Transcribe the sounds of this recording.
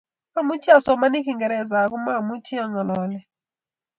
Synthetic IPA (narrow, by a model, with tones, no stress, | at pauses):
a˦˨mu˦tʰi˦a˨sɔ˨ma˦ni˦ki˦˨ŋɡɛ˨ɾɛ˨za˨k̬u˦ma˦˨mu˦tʰi˦ɔ˦ŋa˨lɔː˦lɛ˨